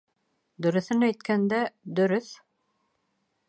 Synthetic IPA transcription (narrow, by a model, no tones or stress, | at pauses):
d̪ɵ̆ɾɵ̆θɘnæjt̪̚kænd̪æd̪ɵ̆ɾɵθ